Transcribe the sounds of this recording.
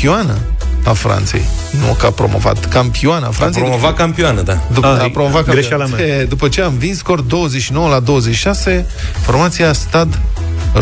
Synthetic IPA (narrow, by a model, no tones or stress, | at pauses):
ioanəafɾa̰nt̪se̞̰j | nukapɾo̞̰mo̞̰va̰t̪kampianəa̰fɾansejovat̪̚kampioanəd̪ad̪upapɾomovat̪kkaɾeʃaed̪upət͡ʃe̞amvinskort̪̚d̪o̞wəzeʃino̞wəlad̪o̞wəzeʃi̥ʃase̞ | fo̞rmat̪sijast̪ad̪